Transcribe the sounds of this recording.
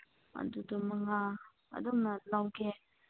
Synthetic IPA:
a̰dudumaŋa | a̰dɔmnalawke

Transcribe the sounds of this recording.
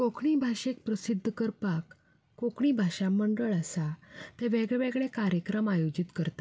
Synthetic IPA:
kokʰɳiːbʱaɕek̚pɾəsid̪ʱːəkəɾpakː | okʰɳibʱaɕãməɳɖəɭəsat̪ɛ̃ʋeɡɭɛɭeɡɭɛkaɾjəkɾəmajod͡ʑit̪kəɾt̪a

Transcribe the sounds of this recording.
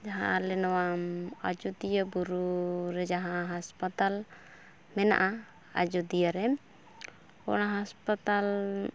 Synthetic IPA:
d͡ʒaɦã̰lɛnɔwamad͡ʒud̪ijabuɾuɾɛd͡ʒaɦãɦaspat̪al | mɛna̰ʔa | a̰d͡ʒud̪ijaɾɛm | ɔ̰ɽ̃ãɦaspat̪al

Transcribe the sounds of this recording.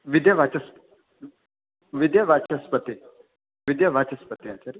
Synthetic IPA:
ʋid̪jɐʋat͡ʃɐsp | ʋid̪jɐʋat͡ʃɐspət̪i | ʋid̪jɐʋat͡ʃɐspət̪iat͡ʃɐɾi

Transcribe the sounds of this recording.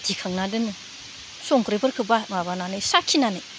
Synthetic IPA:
dikʰaŋnadɯnu | sɔŋkɾebɐɾkʰɯbamabananɯjsakʰːinanɯ

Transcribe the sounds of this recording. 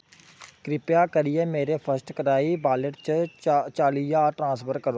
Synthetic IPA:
kɾɪpjaːkəɾɪjɛːmeːɾeːpʰəsʈkəɾaːiːbaːləʈ̚t͡ʃt͡ʃaːlijaːʈɾãːspʰəɾkəɾoː

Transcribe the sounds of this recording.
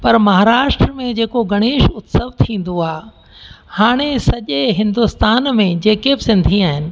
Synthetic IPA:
pɐɾmɐɦaːɾaːʃʈɾəmẽd͡ʑeːkoɡɐɽ̃eːʃʊt̪səʋt̪ʰĩːn̆d̪oaː | haːɽ̃esɐʄeɦɪ̃nd̪ʊst̪aːnmẽd͡ʑeːkebɪsɪ̃nd̪ʱiaːɦɪnɪ̆

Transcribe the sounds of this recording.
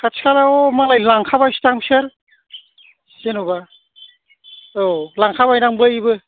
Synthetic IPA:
kʰat͡ʃʰkʰalaɔmalajlaŋkʰabajsi̥taŋisɯɾ | senuba | olaŋkʰabajnaŋbɯjbɯ

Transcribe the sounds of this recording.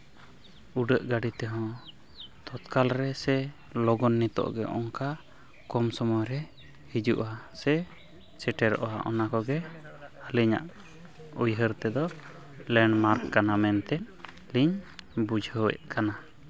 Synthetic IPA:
uɖəʔɡaɖit̪ɛɦɔ̃ | t̪ɔt̪kalɾɛsɛ | lɔɡɔnːit̪ɔ̰ʔɡɛʔɔ̰ŋka | kɔmsɔmɔjɾɛ | hid͡ʒuʔasɛ | t͡ʃɛʈɛɾɔ̰ʔɔwa̰ʔɔ̰nakɔɡɛəliɲa̰ʔ | ujɦəɾt̪ɛd̪ɔ | lɛɳɖmaɾkːanamɛnt̪ɛ | liɲbud͡ʒʱəwɛ̰ʔkana

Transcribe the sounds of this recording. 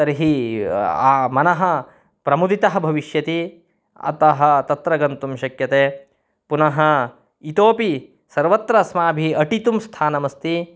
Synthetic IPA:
ɐɾiɦi | aːmɐnɐɦɐ̆ | pɾɐmud̪ʱit̪ɐɦɐ̆bʱɐʋiʃjɐt̪i | ɐ̰t̪ɐɦɐ̆t̪ɐt̪ɾɐɡɐnt̪umʃɐkjɐt̪eː | punɐɦɐ̆ | it̪oːpi | sɐɾʋɐt̪ɾɐsmaːbʱiɐʈit̪umst̪ʰaːnɐmɐst̪i

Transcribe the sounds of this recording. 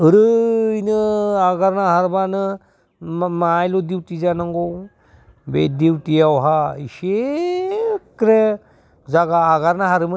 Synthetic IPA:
ɯɾɯinɯaɡaɾnaɦaɾbanɯ | majlodiwtizanaŋɡɔw | bḛdiwtijawɦaise | kɾe | zaɡaːɡaɾnaɦaɾɯm

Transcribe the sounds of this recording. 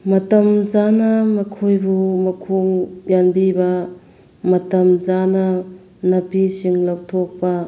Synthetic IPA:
mɐtɐmzanɐmɐkʰojbumɐkʰuŋjanbibɐ | mɐtɐmzanɐ | nɐpisiŋlɐwtʰok̚pɐ

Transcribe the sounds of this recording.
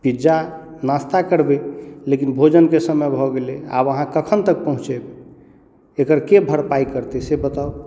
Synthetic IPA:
pid͡ʒa | nast̪akəɾbelekinbʱod͡ʒənkesəməjbʱɔɡelea̰bəɦãkəkʰənt̪ək̚pəɦũt͡ʃeb | ekəɾkebʱəɾpaikəɾt̪esebət̪a

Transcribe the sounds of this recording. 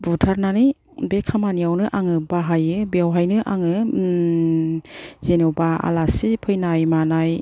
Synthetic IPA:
butʰaɾnanɯj | bekʰamaniawnɯʔaŋɯbaɦajɯbeawɦajnɯʔa̰ŋɯ | zenɯwbaa̰lasipʰɯjnajmanaj

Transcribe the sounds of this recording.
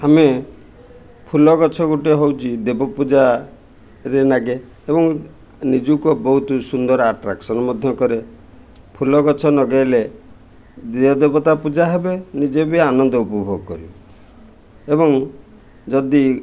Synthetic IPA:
ame | pʰulɔɡɔt͡ʃʰɔɡuʈiɦowt͡ʃʰid̪ebɔpud͡ʒa | ɾenaɡe | ebɔŋ | nid͡ʒukɔbɔɦut̪usund̪ɔɾaʈɾaksɔnɔmɔd̪ʱjɔkɔɾe | pʰulɔɡɔt͡ʃʰɔnɔɡajle | d̪eɔd̪ebɔt̪apud͡ʒaɦebenid͡ʒebianɔnd̪ɔupɔbʱoɡɔkɔɾi | ebɔŋ | d͡ʒɔd̪i

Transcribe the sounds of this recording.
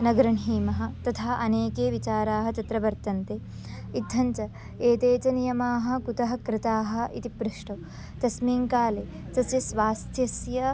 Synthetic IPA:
nɐɡɐɾɐɳɦiːmɐɦɐ̆t̪ɐt̪ʰaːʔɐneːkeːʋit͡ʃaːɾaːɦɐt͡ʃɐt̪ɾɐʋbɐɾt̪ɐnt̪e | id̪ʱːɐɲt͡ʃɐ | eːt̪eːt͡ʃɐnijɐmaːɦɐ̆kut̪ɐɦɐ̆kɾɪt̪aːɦɐ̆it̪ipɾuʂʈɐ | t̪ɐsmiːŋkaːleː | t̪ɐsjɐsʋaːst̪ʰjɐsjɐ

